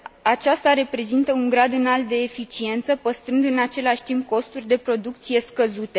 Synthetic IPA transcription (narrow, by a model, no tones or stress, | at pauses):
at͡ʃast̪aɾe̞pɾe̞zint̪əuŋɡɾad̪ɨnalt̪̚d̪e̞ːfit͡ʃie̞nt̪səpəst̪ɾɨnd̪ɨnat͡ʃe̞laʃʲt̪imp̚ko̞st̪urʲd̪e̞pɾo̞d̪ukt̪sije̞skəzut̪e̞